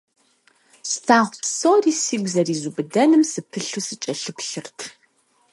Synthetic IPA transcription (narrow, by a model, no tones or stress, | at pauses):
stʰaːʁʷpsoːriːsiːɡʷzɐriːzubɨdɐnɨmsɨpʰɨɬuːsɨt͡ʃʼɐɬɨpɬɨrtʰ